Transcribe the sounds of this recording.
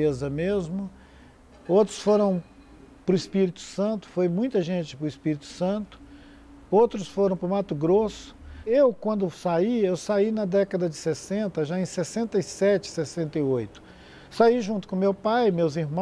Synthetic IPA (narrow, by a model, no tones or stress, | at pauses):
ezɐmezmʊ | owt̪ɾʊsfoɾɐ̃w̃ | pɾʊispiɾit̪ʊ̥sɐ̃nt̪ʊ̥fojmũj̃t̪ɐʒẽnt͡ʃɪpɾʊispiɾit̪ʊ̥sɐ̃nt̪ʊ̥ | owt̪ɾʊsfoɾɐ̃w̃pɾʊmat̪ʊɡɾosʊ̥ewkwɐ̃nd̪ʊsaiewsainɐd̪ɛkɐd̪ɐd͡ʒɪsesẽnt̪ɐʒaẽj̃sesẽnt̪ɐisɛt͡ʃɪ̥sesẽnt̪ɐjojt̪ʊ̥ | saiʒũnt̪ʊ̥kõmewpajmewziɦmɐ̃